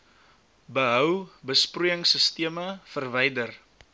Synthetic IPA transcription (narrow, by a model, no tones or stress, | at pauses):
bəɦœwbəspruəŋsəstiəməfərvɛjdər